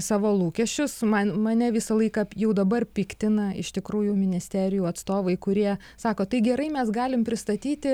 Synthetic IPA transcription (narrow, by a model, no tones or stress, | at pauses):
sɑːʋoːlˠuːkʲɛʃʲt͡ʃʲʊsmɐnmɐnʲɛʋʲɪsɐlˠɐɪkɐjɛʊd̪ɐbɐrpʲɪkt̪ʲɪnɐɪ̰ʃt̪ʲɪkɾuːjʊmʲɪnʲɪsʲt̪ʲæːɾʲɪjuːɐt̪st̪oːʋɐɪkʊɾʲiɛ | sɑːkoːt̪ɐɪɡʲɛɾɐɪmʲɛsɡɑːlʲɪmpʲɾʲɪst̪ɐt̪ʲiːt̪ʲɪ